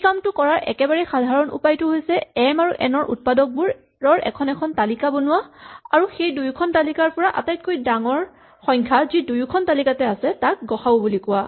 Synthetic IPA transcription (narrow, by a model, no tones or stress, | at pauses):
kamtʊkɔɹaɹʔɛ̰kɛbaɹɛxadʱaɹɔnṵpajtʊɦojsɛɛmaɹuʔɛnɔɹʔṵt̚padɔk̚buɹ | ɹɔɹʔɛ̰kʰɔnɛkʰɔntalikabonʊwaaɹuxejdujkʰɔntalikaɹpɔɹaʔa̰tajt̚kojdaŋɔɹ | xɔjɲkʰazidujukʰɔntalikatɛasɛtak̚ɡɔxaobulikʊwa